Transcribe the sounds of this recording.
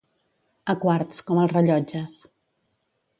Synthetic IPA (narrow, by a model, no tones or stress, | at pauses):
əkwaɾt̪skɔməlˠzrəʎɔd͡ʒəs